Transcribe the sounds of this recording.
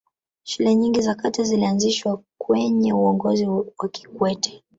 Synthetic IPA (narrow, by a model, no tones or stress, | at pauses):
ʃulɛɲiŋɡizakatazilianziʃwakwɛɲɛuɔŋɡɔziwaki̥kwɛtʰɛ̥